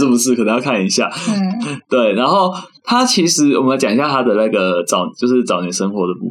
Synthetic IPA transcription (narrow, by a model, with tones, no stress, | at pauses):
ə˥˩pu˧˥ʂɻ̩˥˩kə˨˩nə˧˦ŋjɑ˥˧ʊkʰa˥˩ni˧˥ɕja̰˥˨˩ | t̪we˥˩ɪna˧˥nxo˥˩ʊt̪ʰa˦t͡ɕʰi˧˥ʂɻ̩˧˥wɔ˨mə˦la˧˥ɪt͡ɕa˨ŋi˧ɕja˥˧˩t̪ʰa˥d̪ə˨na˥˩ɡə˩t͡sɑ˨˩ʊt͡ɕjo˥˧ʊʂɻ̩˥˩t͡sɑ˨ʊnjɛ˨˦nʂə˦ŋxwɔ˨˥˦d̪ə˨pṵ˥˧˩